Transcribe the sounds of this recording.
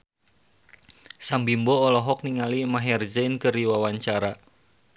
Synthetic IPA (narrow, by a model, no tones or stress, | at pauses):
saŋbimbɔːlɔɦɔk̚niŋalimaɦɛrd͡ʒɛnkəriwawaɲt͡ʃaɾa